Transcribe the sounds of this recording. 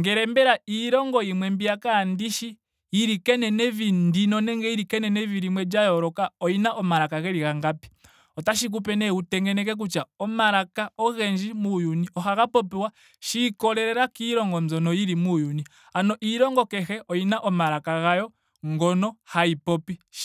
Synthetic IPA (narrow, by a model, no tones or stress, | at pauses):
ŋɡɛɾɛmbɛɾaiɾɔŋɡɔimwɛmbiakandiʃi | iɾikɛnɛnɛvindinɔnɛŋɡɛiɾikɛnɛnɛviɾimwɛd͡ʒajɔɾɔkaɔinaʔɔmaɾakaɣɛɾiɣaŋɡapɛ̥ | ɔtaʃik̬upɛnɛutɛŋɡɛnɛk̬ɛk̬ut͡ʃaɔmaɾakaɔɣɛɲd͡ʒimujuniɔhaɣapɔpɛwa | ʃikɔɾɛɾɛɾakiɾɔŋɡɔnzɔnɔjiɾimujuni | anɔʔiɾɔŋɡɔkɛxɛʔɔinaʔɔmaɾakaɣajɔ | ŋɡɔnɔhaipɔpi